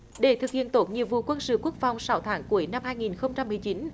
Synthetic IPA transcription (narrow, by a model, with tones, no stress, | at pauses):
ɗe˧˩t̪ʰɨ˨˩k̚hḭ˧˨ənt̪o˨˦˩t̚ɲḭ˧˨vṵ˧˨kwə˧nsɨ̰˧˨ku˦˥ək̚fa˨˩wŋ͡msa˨˦wt̪ʰaː˨˦ŋku˨˧˦əjna˧mhaː˧jŋi˨˩nxə˧wŋ͡mt͡ɕa˧mːɨ˨˩əjt͡ɕi˨˦n